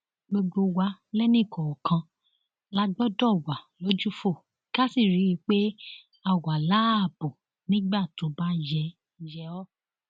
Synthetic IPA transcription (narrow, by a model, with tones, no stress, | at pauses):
ɡ͡bo˧ɡ͡bo˧wa˧˦lɛ˦nĩ˦˨kʰɔ˨ɔ˨kʰã˧ | la˦ɡ͡bɔ˦dɔ˦˨wa˨lo˨˦d͡ʒu˦fo˦˨ | ka˦si˦˨ɾi˨˦i˧˦k͡pe˦ | a˨wa˨la˨˦˨bo˨ | nĩ˦ɡ͡ba˦˨to˨˦ba˦jɛ˧˦ | jɛ˧ɔ˦